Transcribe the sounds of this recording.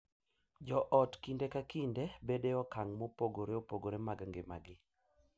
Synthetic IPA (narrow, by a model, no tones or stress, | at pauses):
d͡ʒɔʔɔtkindekakindebedeɔkaŋmopoɡoɾeopoɡoɾemaɡaŋɡema̰ɡɪ